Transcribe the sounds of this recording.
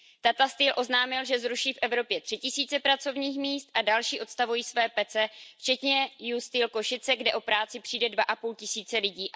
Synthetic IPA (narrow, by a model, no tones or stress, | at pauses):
t̪at̪ast̪iːlʔo̞znaːmɪlʒɛzɾuʃiːfʔɛvɾo̞pjɛt̪r̥ɪcɪsiːt͡sɛpɾat͡so̞vɲiːxmiːst̪̚ʔadalʃiːʔo̞t̪st̪avujiːsvɛːpɛt͡sɛft͡ʃɛt̪ɲɛjust̪iːlko̞ʃɪt͡sɛɡdɛʔo̞pɾaːt͡sɪpr̥iːdɛdvaʔapuːlcɪsiːt͡sɛlɪɟiː